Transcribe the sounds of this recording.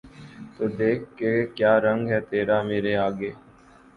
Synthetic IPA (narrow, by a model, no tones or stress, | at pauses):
t̪oːd̪eːkʰːekjaːɾə̃ŋɡɦɛt̪eːɾameːɾeaːɡeː